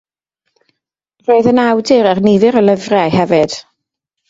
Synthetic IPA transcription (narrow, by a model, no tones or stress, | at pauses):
roːɨðənawdɨɾarnivɨɾəlˠəvrɛajhɛvɨd̥